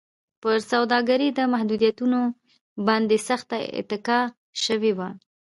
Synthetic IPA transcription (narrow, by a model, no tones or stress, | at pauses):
pəɾsawd̪ɑɡaɾid̪əmahd̪ud̪ijat̪uno | bɑnd̪esaxt̪aɪ̰t̪ɪkɑ | ʃəwewa